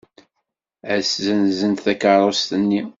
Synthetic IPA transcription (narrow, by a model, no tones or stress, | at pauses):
æszənzənt̪θækəɾˤost̪ənːi